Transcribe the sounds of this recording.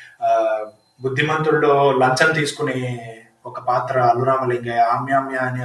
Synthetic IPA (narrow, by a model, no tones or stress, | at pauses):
bud̪ʱːimɐnt̪ɾuɽloːlɐɲt͡ʃɐnt̪̬iːsu̥kuneː | ɔkɐpaːt̪ɾɐːluɾaːmɐleŋɡɐjaːmjaːmjani